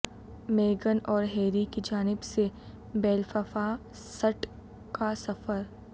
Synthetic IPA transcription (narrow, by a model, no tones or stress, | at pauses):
meːɡənɔːɾɦeːɾikid͡ʒaːnɪbse | bɛːlfəfa | səʈ | kasɐfəɾ